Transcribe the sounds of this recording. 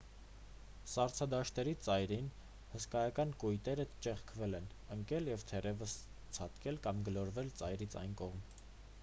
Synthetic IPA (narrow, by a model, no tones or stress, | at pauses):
sɑɾt͡sʰɑd̪ɑʃt̪ɛɾit͡sɑjɾin | həskɑjɑkɑnkujt̪ɛɾət͡ʃɛχkʰvɛlɛn | əŋkɛljɛvt̪ʰɛrɛvəs | t͡sʰɑt̪kɛlkɑmɡəlɔɾvɛlt͡sɑjɾit͡sʰɑ̰jnkɔʁm